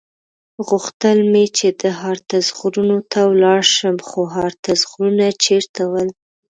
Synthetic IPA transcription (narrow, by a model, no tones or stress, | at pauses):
ɣuxt̪əlmet͡ʃed̪əɦɑɾt̪azɣɾunot̪ʰawlɑɾʃəmxoɦɑɾt̪azɣɾunat͡ʃeɾt̪awəl